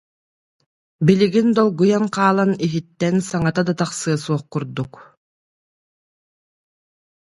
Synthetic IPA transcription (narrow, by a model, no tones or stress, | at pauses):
biliɡind̪ɔlˠɡujaŋqaːlˠaniɦit̪ːɛnsaŋat̪ad̪at̪aχsɯɐsuɔχkuɾd̪uk